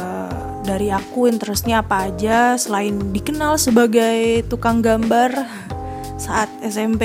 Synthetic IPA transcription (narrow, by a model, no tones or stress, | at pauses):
ə | daɾiakuint̪əɾəs̚ɲaːpaːd͡ʒasəlaɪndikənalsəbaɡajt̪ukaŋɡambar | saʔat̪̚ɛsɛmpe